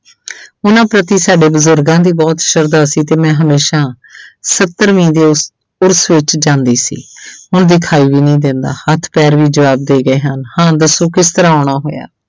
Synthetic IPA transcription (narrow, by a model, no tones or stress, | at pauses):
ʊnãːpɾət̪iːsaːɖeːbəzʊɾɡãːd̪iːbɔːt̪ʃəɾd̪aːsiːt̪eːmɛ̃ːɦəmeːʃaː | sət̪ːəɾʋĩːd̪eː | ʊɾsʋɪt͡ʃd͡ʒãːnd̪iːsḭːʊnd̪iːkʰaːiːʋiːnĩːd̪ɪ̃ːnd̪a̰ːhət̪ʰpɛːɾʋiːd͡ʒəʋaːb̚d̪eːɡəeːɦənhãːd̪əsːõːkɪst̪əɾãːɔːɳ̃aːɦoːja̰ː